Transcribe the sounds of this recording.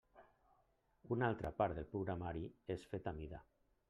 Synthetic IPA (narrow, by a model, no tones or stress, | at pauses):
unalˠt̪ɾapaɾt̪ðelˠpɾuɣɾamaɾiesfet̪amiða̰